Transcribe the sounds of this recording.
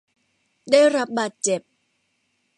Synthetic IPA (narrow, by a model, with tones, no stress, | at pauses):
ɗaː˥˩jɾa˦˥p̚baː˨˩t̪̚t͡ɕe˨˩p̚